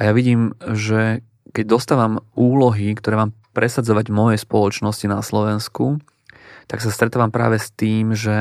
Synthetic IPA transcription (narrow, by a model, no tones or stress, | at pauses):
ʔajaʋiɟiːmʒɛ | kɛɟ̚d̪ɔst̪aːʋamuːlɔɦikt̪ɔɾɛːmaːmpɾɛsad͡zɔʋaɟmɔjɛspɔlɔt͡ʃnɔscinaslɔʋɛnsku | t̪aksast̪ɾɛt̪aːʋampɾa̰ːʋɛst̪iːmʒɛ